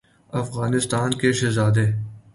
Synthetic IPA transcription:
ɐfɣaːnɪst̪aːnkeʃɪzaːd̪eː

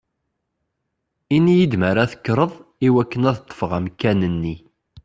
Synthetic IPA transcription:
inːijid̪məɾæθə̥kːɾˤəðˤiwækːənæðt̪ˤːə̥fʁæmkːænənːi

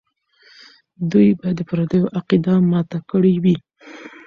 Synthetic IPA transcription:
d̪ujbajad̪ːəpaɾad̪əjoʔaqid̪amɑt̪akəɽiwi

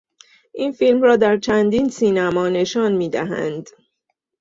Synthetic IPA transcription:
ʔiːnfilmrɒːd̪æɾt͡ʃʰænd̪iːnsiːnæmɒːne̞ʃɒːnmiːd̪æɦæ̰nd̪

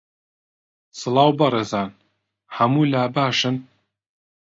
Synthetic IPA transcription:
sɨlˠɑːwbɐreːzaːn | hɐmuːlaːbaːʃɨn

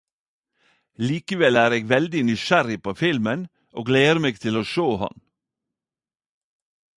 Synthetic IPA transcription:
liːkəʋɛlæːɾeːɡʋɛld̪ɪnʏʃæɾɪpʰoːfɪlmən | ʔoːɡleːəɾmeːɡ̚t̪ʰɪloːʃoːhɑ̰n

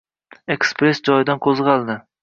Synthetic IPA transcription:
ekspɾesd͡ʒɒjd̪anqʰozʁɑlˠd̪ɪ

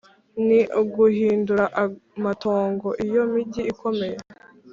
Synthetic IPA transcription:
niuɡuhiːnduɾaʔamato̞ːŋɡo̞ʔijo̞miɟiikʰo̞me̞je

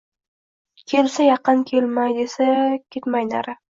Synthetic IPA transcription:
kʲʰe̞lsajɑqɨnkʲʰelmajd̪esakʲʰet̪majna̰ɾɪ

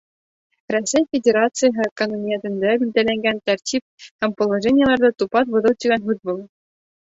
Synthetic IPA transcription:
rosʲːejfʲedʲeɾɑt̪sɨjɦɤkononʲiet̪ɘ̆nʲd̪ʲæbʲilʲd̪ælʲæŋɡʲænʲt̪ʲɑrʲtʲip̚hæmpŏlˠːɐʐenʲɪjə̆lˠɑrd̪ɑt̪upɑt̪ʋɤ̆ðɤ̆lˠt̪ʲiɡʲænɦut̪ʋɤlˠ

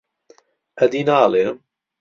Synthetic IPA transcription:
ʔɐd̪iːnaːle

